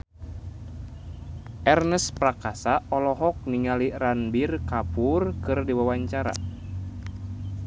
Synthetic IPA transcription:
ʔɛrnəsprakasaʔɔlɔɦɔk̚niŋaliranbirkapurkɨrdiwawaɲt͡ʃaɾa̰

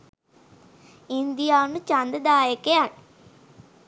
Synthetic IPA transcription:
ind̪ijaːʋnut͡ʃand̪əd̪aːjəkeanːə

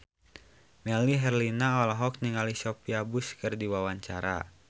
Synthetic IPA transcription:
mɛliɦɛrlinaɔlaɦɔk̚niŋalisɔpiabuskɨrdiwawaɲt͡ʃaɾa̰

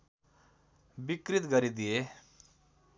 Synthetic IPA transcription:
bikɾit̪ɡɐɾid̪ie

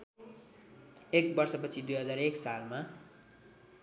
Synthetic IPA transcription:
ek̚bʌrsʌpʌt͡sʰid̪ujɦʌd͡zareksalma

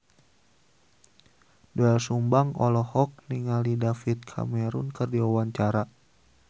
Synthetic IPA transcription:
doɛlsumbaŋɔlɔhɔk̚niŋalidafit̪̚kʰa̰mɛɾunkɨrdiwawaɲt͡ʃaɾa

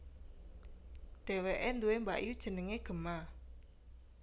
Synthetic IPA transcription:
ɖ̪̥e̤weʔend̪uwemba̰ʔjud̥ʒ̥ə̤nəŋeɡ̥ə̤ma

